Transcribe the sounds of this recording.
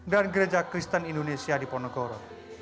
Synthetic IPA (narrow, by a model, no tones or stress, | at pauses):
ɡɾanɡɾed͡ʒakɾist̪aninɖonesijaɖipɔnɔɡɔɾɔ